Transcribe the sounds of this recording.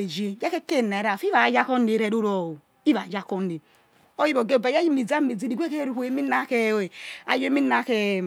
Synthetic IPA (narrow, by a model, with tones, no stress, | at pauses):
e˨d͡ʒe˦ja˦ke˦ke˦˨ne˨˦ɾa˨fi˦a˨˦d͡ʒa˦ko˦ne˨˦ɾe˨ɾu˦ɾo˨o˨ | i˦βa˨d͡ʒa˦ko˦ne˨ | o˦ji˦bo˨ɡe˦˨ba˨ja˦ji˦mi˨d͡za˦mi˨d͡zi˦di˨ɡʷe˦ke˦ɾu˦hu˨˦e˨˦mi˦na˦ke˦˨e˨a̰˨jo˦mi˦na˦ke˨